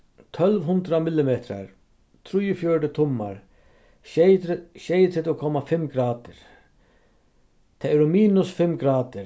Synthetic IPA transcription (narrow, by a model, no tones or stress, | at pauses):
t̪ʰœlʋɦʊnd̪ɾamɪlːɪmɛːt̪ɾa̰ɾ | t̪ʰɾʊjːʊfjɔɹʈɪt̪ʰɔmːa̰ɾ | ʃejt̪ʰɾɛt̪ɔkʰɔmafɪmɡɾaːt̪ɪɾ | t̪ʰɛɛɾɔmiːnʊsfɪmkɡɾaːt̪ɪɾ